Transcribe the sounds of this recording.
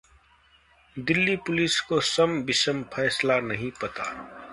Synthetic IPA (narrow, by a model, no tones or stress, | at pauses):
d̪ɪlːipʊliskosəmbɪsəmpʰɛːslanɐɦĩpɐt̪a̰ː